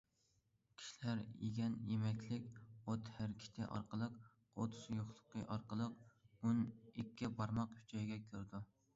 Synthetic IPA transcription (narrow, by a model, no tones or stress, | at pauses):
kʲʰi̥ʃilæɾjḛɡʲɛnjemɛkʲlɪkʲot̪hæɾkʲʰi̥t̪ʰɪʔɑ̰ɾqəlˠəq | o̰t̪ʰʊzjoχlˠə̥qʰːəʔɑɾqəlˠəqunikʲːɛbɑɾmɑqhy̥t͡ʃʰɑjɡʲɛkʲʰøɾd̪u